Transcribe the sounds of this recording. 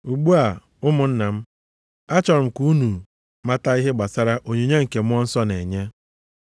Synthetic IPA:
u˨ɡ͡bu˦a˨ | ʊ˦mʊ˨n̩˦na˨m̩˦ | a˦t͡ʃɔ˨ɾʊ˨m̩˨ku˦nu˨ | ma˦ta˦i˦ɦɪ˦ɡ͡ba˨sa˦ɾa˦ʔo˨ɲe˨ɲe˦ŋ̩˨ke˨mʊ˦ɔ˦n̩˦sɔ˦ne˨ɲe˦

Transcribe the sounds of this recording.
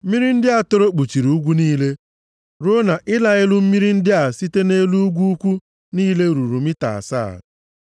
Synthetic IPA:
mi˦ɾi˦n̩˦dɪ˦a˨to˦ɾo˦k͡pu˨t͡ʃi˨ɾu˦ɡʷu˦niː˦le˦ | ɾo˦na˨ʔɪ˦la˨ɪ˦lʊ˦m̩˦mi˦ɾi˦n̩˦dɪ˦a˨si˦te˦ne˦lu˦ɡʷu˦kʷu˦ | niː˦le˦ɾu˨ɾu˨mi˦ta̰˨sa̰ː˦˨

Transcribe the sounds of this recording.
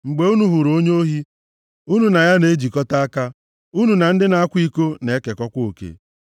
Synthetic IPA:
ŋ͡m̩˨ɡ͡be˨u˦nu˨ɦu˨ɾo˦ɲo˦ɦi˦ | u˦nu˨na˨ja˦ne˨˦d͡ʒi˨kɔ˦ta˦a˦ka˦ | u˦nu˨na˨n̩˦dɪ˦na˨a˦kʷi˦ko˦ne˨˦ke˨kɔ˦kʷo˨kḛ˦

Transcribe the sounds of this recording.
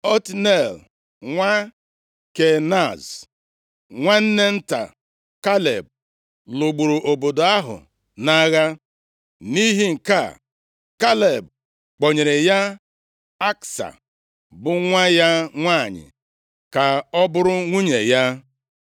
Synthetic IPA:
ɔ˦tne˨l | ŋʷa˦ | ke˨na˦˨z | ŋʷa˦n̩˦ne˦n̩˦ta̰˨ | ka˦lḛ˨b̚ | lʊ˨ɡ͡bu˨ɾu˨ʔo˨bo˨do˨a˦ɦʊ̰˨ | na˦ɣa˦ | ni˦ɦi˦ŋ̩˨ka˦˨ | ka˦le˨b̚ | k͡po˨ɲe˨ɾɪ˨ja˦ | a˦ksa̰˨ | bʊ˦ŋʷa˦ja˦ŋʷa˦˨ɲɪ̰˨ | ka˨ɔ˦bʊ˦ɾʊ˦ŋʷu˦ɲe˨ja˦

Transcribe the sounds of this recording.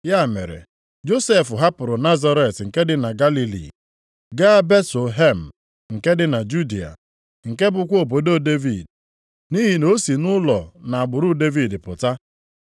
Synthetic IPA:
ja˦˨mḛ˨ɾḛ˨ | d͡ʒo˦se˦˨fʊ˨ɦa˦pʊ˨ɾʊ˨na˦za˦ɾe˨tŋ̩˨ke˦dɪ˦na˨ɡa˦li˦lḭ˨ | ɡa˦be˦to˨ɦe˦m̩˨ | ŋ̩˨ke˦dɪ˨na˨d͡ʒu˦di˨a̰˨ | ŋ̩˨ke˦bʊ˨kʷo˨b̬o˨do˦˨de˦vi˨d | ni˦ɦi˨no˦si˨nʊ˦lɔ˨na˨a˨ɡ͡bʊ˨ɾʊ˦de˦vi˨dɪ˨pʊ˨ta˦

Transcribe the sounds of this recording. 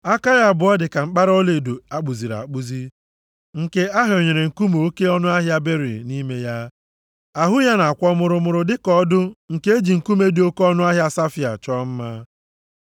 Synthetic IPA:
a˦ka˦ja˨bʊ˨ɔ˦dɪ˨ka˨ŋ͡m̩˦k͡pa˦ɾɔ˦le˨do˨a˦k͡pu˨zi˨ɾa̰˨k͡pu˦zi˦ | ŋ̩˨ke˦a˦ɦo˨ɲe˨ɾe˨ŋ̩˨ku˦mo˨o˦ke˦ɔ˦nʊ˦a˦ɦja˦be˦ɾḭ˨ni˦me˦ja˦ | a˨ɦʊ˦ja˦na˨a˨kʷɔ˦mʊ˨ɾʊ˨mʊ˨ɾʊ˨dɪ˦kɔ˦dʊ˦ŋ̩˨ke˦e˦d͡ʒi˨ŋ̩˨ku˦me˦dɪ˨˦o˦kɔ˦nʊ˦a˦ɦja˦sa˦fi˨a̰˨t͡ʃɔ˦m̩˦ma˦

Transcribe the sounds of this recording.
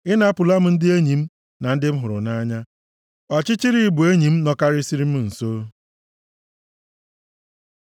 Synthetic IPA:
ɪ˦na˦˨pʊ˨la˦m̩˦n̩˦dɪ˦e˦ɲi˨m̩˦ | na˨n̩˦dɪ˦m̩˦ɦʊ˨ɾʊ̰˨na˦ɲa˦ | ɔ˨t͡ʃɪ˦t͡ʃi˦ɾi˦bu˨e˦ɲi˨m̩˦nɔ˦ka˦ɾɪ˦si˦ɾi˦m̩˦n̩˨soː˦

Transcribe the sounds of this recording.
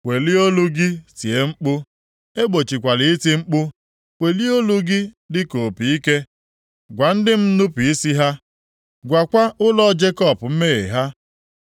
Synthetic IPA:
wʷe˨li˦o˦lu˦ɡi˦si˨e˨ŋ͡m̩˦k͡pʊ˦ | e˦ɡ͡bo˨t͡ʃi˨kʷa˨li˨˦ti˦ŋ͡m̩˦k͡pʊ˦ | wʷe˨li˦o˦lu˦ɡi˦ | dɪ˦ko˨pi˨i˦ke˦ | ɡʷa˨n̩˦dɪ˦m̩˦nu˦pi˨i˦si˦ɦa˦ | ɡʷa˨kʷa˦ʔʊ˦lɔ˦d͡ʒe˦kɔ˦˨pm̩˦me˦˨e˨ɦa˦

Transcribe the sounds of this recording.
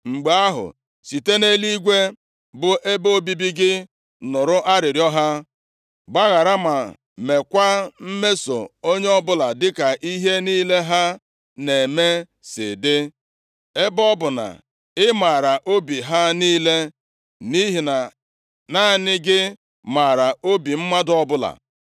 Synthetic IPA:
ŋ͡m̩˨ɡ͡be˨a˦ɦʊ̰˨ | si˨te˦ne˦li˦ɡʷe˦ | bʊ˨ʔe˦boo˦bi˦bi˦ɡɪ˦ | nʊ˨ɾʊ˦ʔa˦ɾɪ˨ɾjɔ˦ɦa˦ | ɡ͡ba˦ɣa˨ɾa˦ma˨ | me˨kʷa˦m̩˦me˦so̰˨o˦ɲe˦ɔ˦bʊ˦la˨dɪ˦ka˨ʔi˦ɦe˦niː˦le˦ɦa˦ | ne˨me˦ | sɪ̰˨dɪ˦ | e˦bɔ˦bʊ˨na̰˨ | ɪ˦ma˨ɾa˨ʔo˦bi˨ɦa˦niː˦le˦ | ni˦ɦi˨na˨ | na˦˨nɪ˦ɡɪ˦ | ma˨ɾa˨o˦bi˨m̩˦ma˦dɔ˦bʊ˦la̰˨

